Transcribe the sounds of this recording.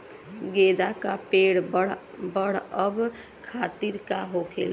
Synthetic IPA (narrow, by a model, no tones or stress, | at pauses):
ɡed̪akapeɽ | bəɽ̤əb | kʰat̪iɾkaɦokʰḛl